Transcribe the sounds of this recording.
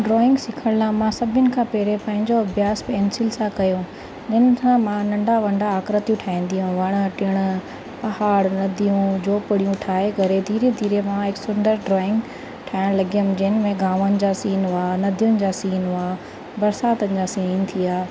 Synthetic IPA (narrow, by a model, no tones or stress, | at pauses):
ɖɾɔːɪ̃ŋɡsɪkʰəɽ̃lamãsɐbʱɪnɪ̆kʰãpɛːɾepɐ̃ɦɪ̃ɲd͡ʑoɐbʱjaːspeːnsɪlsakɐjõ | d͡ʑɪnɪsãmãnɐ̃ɳɖʱaʋɐ̃ɳɖaːkɾət̪jũʈʰaːĩːn̆d̪ijɦũʋɐɽ̃ʈɪɽ̃ʊ | pɐhaːɽnɐd̪ʱijũd͡ʑoːpɪɽijũʈʰaːeɡɐɾed̪ʱiːɾed̪ʱiːɾemãɦɪksʊnd̪əɾɖɾɔːɪ̃ŋɡ | ʈʰaːɪɽ̃lɐɡijəmd͡ʑɐɦɪnɪ̆mẽɡãːʋənɪ̆d͡ʑasiːnanɐd̪ʱijʊnɪ̆d͡ʑaːsiːnaː | bɐɾsaːt̪ənɪ̆d͡ʑaːsiːnt̪ʰiaː